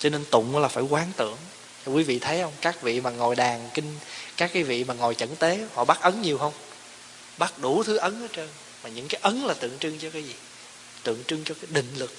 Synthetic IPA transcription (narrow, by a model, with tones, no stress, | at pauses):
t͡ɕɔ˧ne˧nt̪ʊ̰˧˨ŋ͡mlaː˨˩faː˧˩jkwaː˨˦ŋt̪ɨ̰˧˨əŋ | t͡ɕɔ˧kwi˨˦vḭ˧˨t̪ʰə˨˦jhə˧wŋ͡mkaː˦˥k̚vḭ˧˨maː˨˩ŋo˨˩jɗaː˨˩ŋkï˧ŋ̟kaː˦˥kːaː˨˦jvḭ˧˨maː˨˩ŋo˨˩jt͡ɕə̰˧˥nt̪e˨˦hɔ̰˧˨ɓa˦˥t̚ʔə˨˦nɲi˨˩əwɦə˧wŋ͡m | ɓa˦˥t̚ɗu˧˩t̪ʰɨ˨˦ʔə˨˦nʔəː˨˦t͡ɕəː˧n | maː˨˩ɲɨ̰˧˥ŋkaː˨˦jʔə˨˦nlaː˨˩t̪ɨ̰˧˨əŋt͡ɕɨ˧ŋt͡ɕɔ˧kaː˨˦jzi˨˩ | t̪ɨ̰˧˨əŋt͡ɕɨ˧ŋt͡ɕɔ˧kaː˨˦jɗḭ̈˧˨ŋ̟lɨ˨˩k̚